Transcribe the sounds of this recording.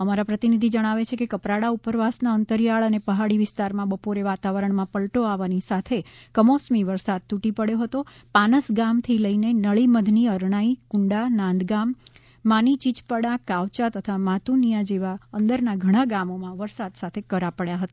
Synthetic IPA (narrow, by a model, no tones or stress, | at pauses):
əmaɾapɾət̪inid̪ʱid͡ʒəɽ̃aʋet͡ʃʰekekəpɾaɽaupəɾʋasnaənt̪əɾijaɭənepəɦaɽiʋɪst̪aɾmãbəpoɾeʋat̪aʋəɾəɳmãpəlʈoaʋanisat̪ʰekəmosmiʋəɾsad̪̚t̪uʈipəɽjoɦət̪o | panəsɡamt̪ʰiləinenəɭiməd̪ʱniəɾɳ̃aikuɳɖanãnd̪ɡamː | anit͡ʃit͡ʃpəɽakaʋt͡ʃat̪ət̪ʰamat̪unijad͡ʒeʋaənd̪əɾnaɡʱəɽ̃aɡamomãʋəɾsad̪sat̪ʰekəɾapəɽjaɦət̪a